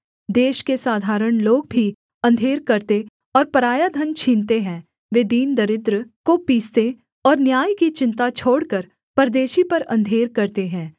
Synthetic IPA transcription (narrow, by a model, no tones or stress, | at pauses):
d̪eːʃkesaːd̪ʱaːɾəɽ̃loːɡ̚bʱi | ɐ̃nd̪ʱeːɾkɐɾt̪e | ɔːɾpɐɾaːjad̪ʱənt͡ʃʰiːnt̪eɦɛ̃ː | ʋeːd̪iːnd̪əɾɪd̪ɾəkopiːst̪e | ɔːɾnjaːjkit͡ʃɪ̃nt̪at͡ʃʰoːɽkəɾ | pɐɾd̪eːʃipɐɾɐ̰̃nd̪ʱeːɾkɐɾt̪eɦɛ̃ː